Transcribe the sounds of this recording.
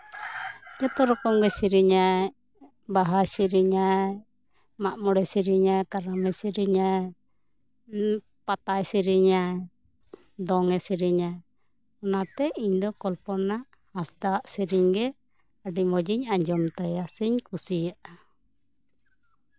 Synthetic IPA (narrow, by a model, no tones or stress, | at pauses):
d͡ʒɔt̪ɔɾɔkɔŋɡɛsiɾiɲaɛ | baɦajsiɾiɲaɛ | maʔmɔɽɛsiɾiɲajkaɾamɛsiɾiɲaj | pat̪ajsiɾiɲaj | d̪ɔŋɛsiɾiɲaj | ɔnat̪ɛiɲd̪ɔkɔlpɔnːaʔ | hasd̪aʔsiɾiɲɡɛ | aɖimɔd͡ʒiɲaɲd͡ʒɔmt̪ajasiɲkʰusijaʔ